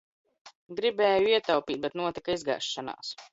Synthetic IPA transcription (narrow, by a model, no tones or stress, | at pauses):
ɡɾibɛːjuiɛt̪awpiːt̪̚bɛt̪nuɔt̪ikaizɡa̰ːʃːana̰ːs